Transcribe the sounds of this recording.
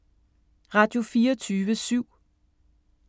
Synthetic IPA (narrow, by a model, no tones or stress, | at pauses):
ʁɑ̈ːd̥jo̝fiːɐt͡sʰyːʋəsyʊ̰